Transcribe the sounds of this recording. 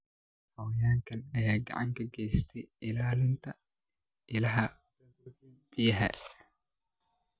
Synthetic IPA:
hɐwɐjaːŋkʰɐnɐjaːɡɐ̰ʕɑ̰ŋkʰɐɡɛjst̪ʰɛjɪlaːlɪnt̪ʰɐ | ʔɪlɐɦɐ | b̥ɪjɐɦɛ̰

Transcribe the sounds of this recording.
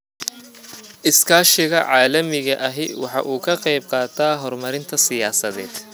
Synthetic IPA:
ʔɪskʰaːʃɪɣɐʕɑːlɐmɪɣɐʔɐɦɪ̰wɑ̰ħɑ̰ʔuːkʰɐqɑjb̚qɑːt̪ʰaːɦɔrmɐɾɪnt̪ʰɐsɪjaːsɐðɛ̰ːd̪̥

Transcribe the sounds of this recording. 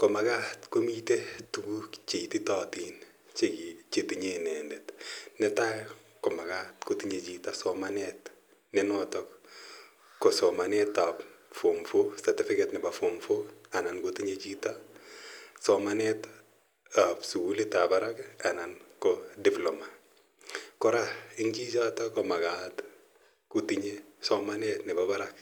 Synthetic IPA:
kɔmaɡatkomitetuɡut͡ʃititatin | t͡ʃekit͡ʃetiɲenɛndɛtnɛta | kɔmaɡatkotiɲet͡ʃitasɔmanɛt | nɛnɔtɔkː | osɔmanɛtapfomfosatɪfɪkɛtnɪbafomfoanankotiɲet͡ʃita | sɔmanɛt | apsuɡulitabaɾakanankɔdiploma | kɔɾaɪŋt͡ʃid͡ʒatɔkɔmaɡat | kutiɲesɔmanɛtnɪbabaɾak

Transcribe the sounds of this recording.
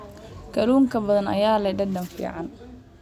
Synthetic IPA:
kʰɐluːŋkʰɐbɐðɐnɐ̰jaːlɐɖɐd̪ɐmfḭːʕɑn

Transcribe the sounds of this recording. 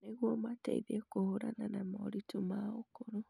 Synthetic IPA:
neɣwɔmatḛḭðekohoɾananamaɾitomaokoɾo

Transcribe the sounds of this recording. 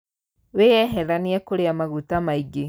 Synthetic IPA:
wejɛɦɛɾaniɛkoɾeamaɣutamaiɡe

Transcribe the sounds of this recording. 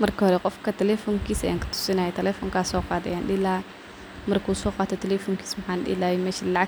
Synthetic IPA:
mɐrkɐhɔɾɛqɔfkɐt̪ɛlɛfɔŋkiːsɛ̰ŋkɐ̥t̪ʰʊ̥sɪnaːjɛt̪ʰɛlɛfɔŋkaːsɔːqɑːd̪ɐ̰jaːnɗɪlaː | mɐrkuːsɔːqaːt̪ʰɔt̪ʰɛlɛfɔŋkʰiːsmɐħaːnɗɪ̰laːjɛmɛːʃilaʕa

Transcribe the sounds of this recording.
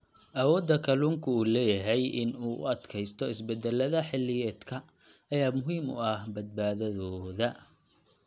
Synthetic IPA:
ʔɐwɔːd̪ɐkʰɐluːŋkʰʊuːlɛːjɐɦɛjɪ̰nuːʔʊ̰ɐd̪kʰɛjst̪ʰɔɪsbɛd̪ɛlːɐðɐħɪlːɪjɛːd̪kʰɐː | jaːmʊɦiːmʊ̰ɐhbɐd̪̚baːðɐðɔːðɐ

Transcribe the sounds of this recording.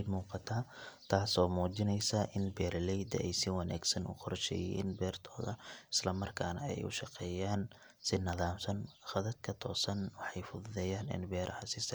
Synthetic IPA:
d̪muːqɑt̪ʰaːt̪ʰaːsɔːmuːt͡ʃɪnɛjsɐʔɪnbɛːɾlɛjd̪ɐʔɛjsɪwɑna̰ːɡsɐnʊ̰qʰɔrʃɛ̰ːjɛ̰ːnbɛːrt̪ʰɔːðɐ̰ɪ̥slɐmɐrkʰaːnɐ̰ɛ̰jʊ̰ʃɑqɛːjaːn | sɪnɐðaːmsɐnxɑðɐd̪̚kʰɐt̪ʰɔːsɐnwɑħɑjfʊðʊðɛːjaːnɪ̰nbɛːɾʔɐhɐsɪs

